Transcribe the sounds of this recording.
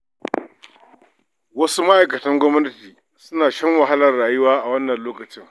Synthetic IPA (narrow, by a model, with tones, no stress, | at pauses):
wɐ˦su˦ma˦ʔa˨jkɐ˨tɐ˦ŋɡʷɔ˦mnɐ˦tiː˨ | sʊ˦naː˨ʃɐ˦ŋwɐ˨ɦa˦lɐ˨rɽaː˨jʊ˦waː˦ʔa˨wɐ˦nːɐ˨nloː˦kɐ˨t͡ʃɪ˦ŋ